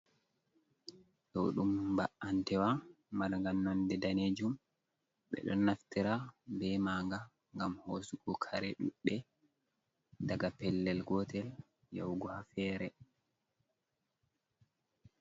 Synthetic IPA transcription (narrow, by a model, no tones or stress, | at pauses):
tɔwɗumbaʔantɛwa | malŋɡannːɔndɛdaned͡ʒum | ɓɛ̰ɗɔ̰nːaftiɾabɛmaːŋɡa | ŋɡamhoːsuɡɔkʰaɾɛɗuɗːɛ | daɡapɛlːɛlɡɔtɛl | jɔwɡɔhafɛːɾɛ